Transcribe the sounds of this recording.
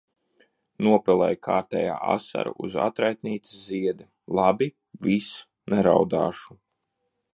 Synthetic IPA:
nuɔpɛlˠɛjkʰaːɾt̪ɛja̰ːa̰sa̰ɾṵʔuza̰t̪ɾajt̪niːt̪i̥sziɛd̪i | lˠabi | vis | nɛɾawd̪aːʃu̥

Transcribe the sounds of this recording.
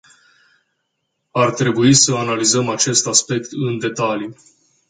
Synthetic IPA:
art̪ɾe̞buisəanalizəmat͡ʃe̞st̪aspe̞kt̪ɨnd̪e̞t̪ali

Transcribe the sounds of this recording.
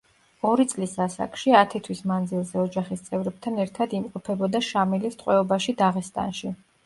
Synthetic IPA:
ɔɾit̪sʼlisasa̰kʼʃiat̪ʰit̪ʰwismand̪zilˠzɛɔd͡ʒaχist̪sʼɛvɾɛb̚t̪ʰanɛɾt̪ʰad̪imqʼɔpʰɛbɔd̪aʃamilist̪ʼqʼwɛɔbaʃid̪aʁɛst̪ʼa̰nʃi

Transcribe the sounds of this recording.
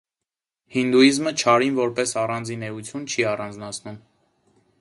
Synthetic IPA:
hind̪uizmət͡ʃʰɑɾinvɔɾpɛsɑrɑnd͡zinɛut͡sʰjunt͡ʃʰiɑrɑnd͡znɑt͡sʰnum

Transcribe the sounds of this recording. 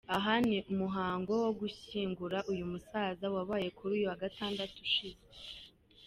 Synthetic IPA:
aɦaniʔumuɦaːŋɡo̞wo̞ɡuçiːŋɡuɾaʔujumusazawaβaːje̞kʰuɾuːjuwaɡataːndatuʃize

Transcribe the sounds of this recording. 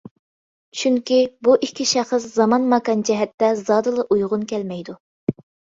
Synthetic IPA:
t͡ʃʰyŋkʲibuʔikʲʰːiʃæχəszɑmɑnmɑkɑnd͡ʒɛɦɛt̪ːɛzɑːd̪ɨlˠɨʔujʁʊnkʲʰɛlmɛjd̪u

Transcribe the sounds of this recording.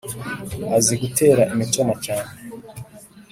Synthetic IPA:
aziɡutʰe̞ːɾaʔimito̞macaːne

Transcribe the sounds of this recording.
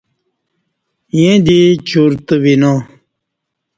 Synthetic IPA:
jẽd̪it͡ɕʰuɾt̪əʋinõ

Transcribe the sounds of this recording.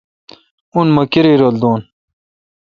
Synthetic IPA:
unmɐkiɾiɾold̪oːn

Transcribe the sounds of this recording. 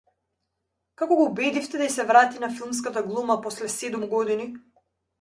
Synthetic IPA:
kakɔɡɔubɛd̪ift̪ɛd̪aisɛvɾat̪inafilˠmskat̪aɡlˠumapɔslɛsɛd̪umɡɔd̪ini

